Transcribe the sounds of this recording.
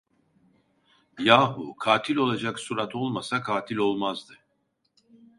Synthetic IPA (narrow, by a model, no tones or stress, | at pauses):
jaːɦukʰaːt̪ʰilʲo̞lˠad͡ʒaksuɾat̪ʰo̞lˠmasakʰaːt̪ʰilʲo̞lˠmazd̪ɯ